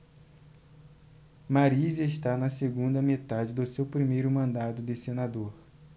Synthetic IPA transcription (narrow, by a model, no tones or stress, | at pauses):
maɾizeʃt̪anɐseɡũnd̪ɐmet̪ad͡ʒɪd̪ʊsewpɾimejɾʊmɐ̃nd̪ad̪ʊd̪ɪsenad̪oɾ